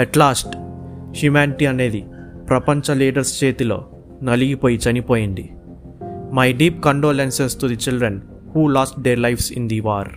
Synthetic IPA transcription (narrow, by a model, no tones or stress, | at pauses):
ɛʈlaːsʈʃimãːɳʈiɐne̞ːd̪ipɾɐpɐɲt͡ʃɐliːɖɐɾst͡ʃe̞ːt̪ilo̞̰ː | nɐliɡipoːjit͡ʃɐnipoːjiɳd̪i | mɐjɖiːp̚kɐɳɖoːlensesʈ̪ud̪it͡ʃilɖɾen | huːlaːsʈ̚d̪eːɾlɐjfsḭnd̪iʋaːɾ